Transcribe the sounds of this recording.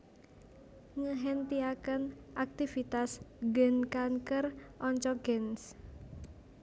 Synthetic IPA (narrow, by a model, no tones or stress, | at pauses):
ŋəɦent̪iakənʔak̚t̪ifit̪asɡənkankərʔɔɲt͡ʃɔɡ̥ɛns